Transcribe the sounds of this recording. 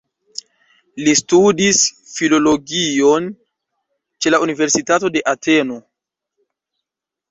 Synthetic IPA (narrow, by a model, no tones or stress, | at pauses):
listudisfilo̞lo̞ɡio̞n | t͡ʃe̞launive̞ɾsitato̞de̞ʔatʰe̞no̞